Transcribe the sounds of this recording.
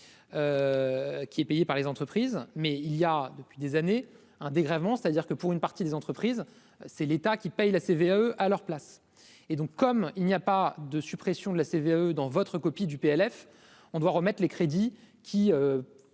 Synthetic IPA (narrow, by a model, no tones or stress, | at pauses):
ø | kʲiɛpejepaʁlezɑ̃t̪χəpχizmɛiljad̪əpɥid̪ezane | ɛ̃d̪eɡʁɛvmɑ̃se̥t̪ad̪iʁkəpuʁynpaʁt̪id̪ezɑ̃t̪χəpχiz | sɛlet̪akʲipɛjlaseveaøʔalœʁplas | ed̪ɔ̃kːɔmilnijapad̪əsypχesjɔ̃d̪əlaseveaød̪ɑ̃vɔt̪χəkɔpid̪ypeɛlɛf | ɔ̃d̪waʁəmɛt̪χlekχed̪i | kʲʰiø